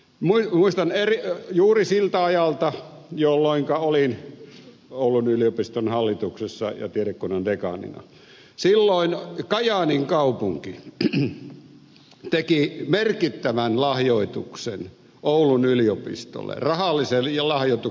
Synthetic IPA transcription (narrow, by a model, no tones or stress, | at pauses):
muimuist̪ɑnerijuːrisilt̪æɑjɑlt̪ɑjolːoˑiŋkɑolin | oˑulunyliopist̪onhɑlːit̪uksesːɑ̰jɑ̰t̪ieɾekkunondekɑ̰nḭnɑ̰ | silːoˑinkɑjɑniŋkɑupuŋki | t̪ekimerkit̪ːæʋænlɑhjoˑit̪uksen | oulunyliopḭst̪o̰lːḛrɑhɑlːˑiselɑlɑhjoˑit̪u